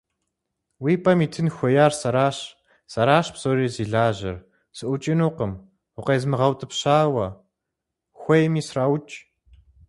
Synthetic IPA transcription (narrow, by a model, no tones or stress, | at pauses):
wiːpʰʼɐmiːtʰɨnxʷɔjaːrsɐɾaːɕ | sɐɾaːɕbzoːriːziːɮaːʑɪ̰r | sɨʔʷʊt͡ʃʼɪnuːqəm | ʊqejzmɨʁɐwtʼɨpɕaːwɐ | xʷɔjmiːsraːwt͡ʃʼ